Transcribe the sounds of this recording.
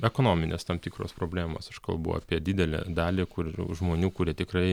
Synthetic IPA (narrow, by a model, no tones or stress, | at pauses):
ɛkoːnoːmʲɪnʲḛst̪ɐmt̪ʲiːkɾo̰ːspɾoːbʲlʲæːmo̰ːsɪʃkɐlˠbṵa̰pʲiɛd̪ʲɪd̪ʲɛlʲḛːd̪ɑːlʲɪːkʊʒmoːnʲuːkʊɾʲiɛt̪ʲɪkrɐɪ